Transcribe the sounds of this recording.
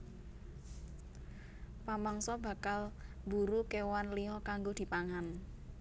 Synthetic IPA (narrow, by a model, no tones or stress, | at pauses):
pamaŋsɔba̤kal | buɾukewanliɦɔkaŋɡod̪̥i̤paŋan